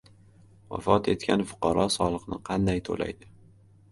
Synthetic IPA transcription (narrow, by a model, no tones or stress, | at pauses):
wa̰fɒt̪ʰe̞t̪kʲʰanfʊ̥qʰɑɾɒsɒlˠɨqnɪqʰɑnd̪ajt̪ʰo̰la̰jd̪ɪ